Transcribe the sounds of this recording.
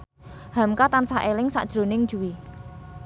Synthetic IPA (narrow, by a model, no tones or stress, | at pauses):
hamkat̪ansaʔelɪŋsa̰ʔd̥ʒ̥ɾo̤nɪŋd̥ʒ̥uwi